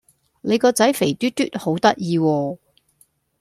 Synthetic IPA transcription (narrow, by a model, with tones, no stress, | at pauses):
le˨˧jkɔː˧t͡sɐ˨˥jfe˨˩jt̪yː˥t̪yː˥t̚ho˨˥wt̪ɐ˥t̚jiː˧wɔː˧